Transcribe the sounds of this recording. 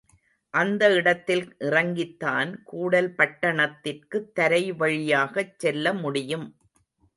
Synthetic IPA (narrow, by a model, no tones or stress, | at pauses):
ʔɐnd̪ɐɪɽɐt̪ːɪlʔɪrɐŋɡɪt̪ːaːnkuːɽɐlpɐʈːɐɳɐt̪ːɪrkɯt̪ːɐɾɐɪʋɐɻɪjaːɣɐt͡ʃsɛlːɐmʊɽɪjɯm